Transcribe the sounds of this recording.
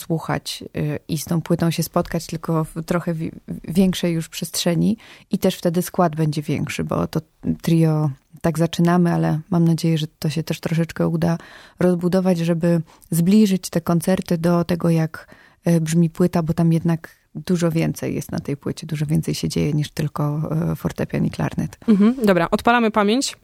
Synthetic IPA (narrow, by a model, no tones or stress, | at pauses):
swuxa̰t͡ɕist̪ɔ̃w̃pwɘt̪ɔ̃w̃ɕɛspɔt̪kat͡ɕt̪ɘlkɔft̪ɾɔxɛvʲjɛŋkʂɛjːuʂpʂɛstʂɛɲiit̪ɛʂft̪ɛd̪ɘskwad̪bɛɲd͡ʑɛvʲjɛ̰ŋkʂɘbɔ̰t̪ɔ | t̪ɾʲijɔt̪aɡzat͡ʂɘnamɘalɛmamnad͡ʑejɛʐɛt̪ɔɕɛt̪ɛʂt̪ɾɔʂ̬ɛt͡ʂkɛud̪aɾɔzbud̪ɔvad͡ʑʐɛbɘ | zblʲiʐɘt͡ɕt̪ɛkɔnt̪sɛɾt̪ɘd̪ɔt̪ɛɡɔjak | bʐmʲipwɘt̪abɔt̪amjɛd̪naɡ | d̪uʐɔvʲjɛnt̪sɛ̰jːjɛ̰st̪na̰t̪ɛjpwɘt͡ɕɛd̪uʐɔvʲjɛnsɛjɕɛd͡ʑḛjɛɲiʂt̪ɘlkɔfɔɾt̪ɛpʲja̰nḭkla̰ɾnɛ̰t̪̩d̪ɔbɾaʔɔt̪palamɘpamʲjeɲt͡ɕ